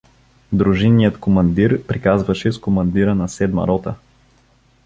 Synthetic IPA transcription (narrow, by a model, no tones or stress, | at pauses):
d̪ɾuʒinːijət̪komɐnd̪iɾpɾikazvɐʃɛskomɐnd̪iɾənɐsɛd̪mɐ̰ɾɔt̪ə̰